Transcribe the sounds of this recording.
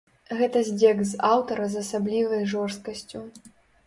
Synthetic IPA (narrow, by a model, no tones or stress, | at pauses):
ɣɛt̪ɐzʲd͡zʲɛɡzawt̪ɐɾɐzɐsablʲivɐjʐɔrst̪̚kɐsʲt͡sʲu